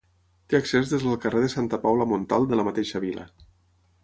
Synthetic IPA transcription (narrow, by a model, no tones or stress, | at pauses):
t̪eəksezðezðəlˠkəreðəsant̪əpawləmont̪alˠd̪ələmət̪eʃəβilə̰